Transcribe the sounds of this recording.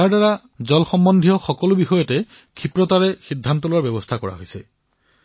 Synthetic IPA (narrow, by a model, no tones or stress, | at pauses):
aɹdaɹa | zɔlxɔmbɔnd̪ʱijɔxɔkɔlʊbixɔjɔtɛ | kʰipɹɔt̪aɹɛxidʱːant̪ɔlʊaɹbɛbɔst̪ʰakɔɹa̰ɦojsɛ